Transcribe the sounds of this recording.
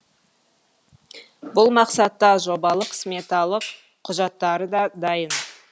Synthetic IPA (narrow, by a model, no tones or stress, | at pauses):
bʊlˠmɑqsɑt̪ːɑʒo̞bɑlˠəqʰsmet̪ɑlˠəqʰː | ʊʒɑt̪ːɑɾəd̪ɑd̪ɑjən